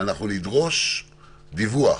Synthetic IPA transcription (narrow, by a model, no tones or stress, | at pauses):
anaχnunid̪ʁo̞ʃ | d̪ivua̰